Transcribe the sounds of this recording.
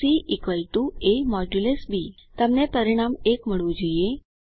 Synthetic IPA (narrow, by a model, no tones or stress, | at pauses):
iʔikʋajʈuemɔd͡ʒulesbʱiːt̪əmnepəɾiɽ̃amekməɭũd͡ʑəje